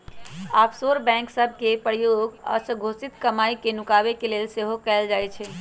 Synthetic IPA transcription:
aːpsoɾbɛ̃ŋksəbʱkepəɾjoɡɔ̰ːɾsəɡʱosit̪kəmaikenukabekelelseɦokɛːld͡ʒajt͡ʃʰɛ

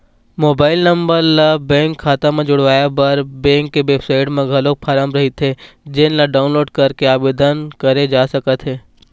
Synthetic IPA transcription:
moːbaːɪlnɐ̃mbəɾlabɛ̃ːŋkʰːaːt̪ãmẽd͡ʒʊɽʋaːjabɐɾbɛ̃ːŋkːeʋeːbsaːɪʈmẽɡʱɐlok̚pʰaːɾəmɾɐɦit̪ʰe | d͡ʒɪnlaɖaːʊnloːɖkɐɾkeaːbeːd̪ənkɐɾed͡ʒaːsɐkət̪ɦeː

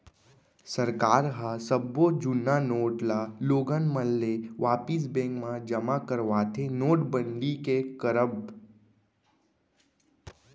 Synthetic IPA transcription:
səɾkaːɾɦasəbod͡ʒʊnːanoːʈlaloːɡənməlːeʋaːpis̬bẽːŋkmãd͡ʒəmakəɾʋaːt̪ʰenoːʈbə̃ɳɖikekəɾəb

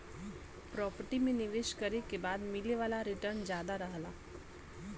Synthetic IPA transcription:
pɾɔːpəɾʈimẽnɪʋeːʃkəɾekebaːd̪mɪleʋaːlaɾɪʈəɾnd͡ʒjaːd̪aɾəɦlaː

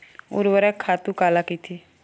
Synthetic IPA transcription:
ʊ̰ɾʋəɾɛːkʰaːt̪uːkaːlaːkiːt̪ʰiː

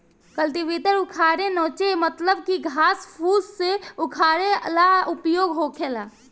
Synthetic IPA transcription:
kəlt̪iʋit̪əɾukʰaɾenɔ̃ːt͡ʃemət̪ləbkiɡʱaːspʰusseukʰaːɾeə̰laupjoɡɦokʰela

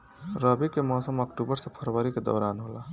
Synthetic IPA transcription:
ɾəbikemɔsəməkʈubəɾsẽpʰəɾbəɾiked̪ə̰ʊɾanɦola

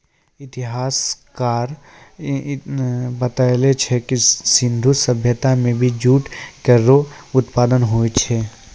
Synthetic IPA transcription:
ɪt̪ɪɦaːskaːɾ | bɐt̪alet͡ʃʰɛkisɪ̃nd̪ʱusəbʱjət̪amẽbʱid͡ʒuːʈkəɾoʊt̪paːd̪ənɦoːet͡ʃʰɛ

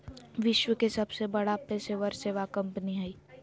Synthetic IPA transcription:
ʋɪʃwəkesɐbsebɐɽapɛːseʋəɾseːʋakɐ̃mpniɦɛiː

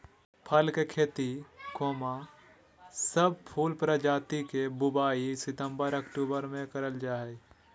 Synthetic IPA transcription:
pʰəlkekʰeːt̪ikoːma | səb̚pʰuːlpɾəd͡ʒaːt̪ikebʊbaːisɪt̪ə̃mbəɾəkʈuːbəɾmẽkəɾəld͡ʒaːɦe

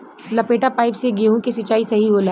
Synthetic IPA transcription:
lɐpeːʈapaːɪpseɡeɦũkesɐt͡ʃaːisɐɦiboːla

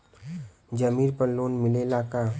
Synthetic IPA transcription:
d͡ʒəmiːɾpəɾloːnmɪlelaːka

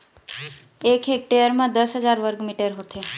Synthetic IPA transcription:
ekɦek̚ʈeəɾmãd̪əsɦəd͡ʒaɾʋəɾɡmiʈəɾɦot̪ʰe

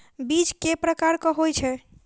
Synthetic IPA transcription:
bit͡ʃkepɾəkaɾkɔɦojt͡ʃʰɛ

